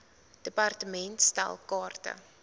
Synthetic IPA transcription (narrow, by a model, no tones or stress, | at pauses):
d̥əpartəmɛntstæ̰lˠkɑːrtə̰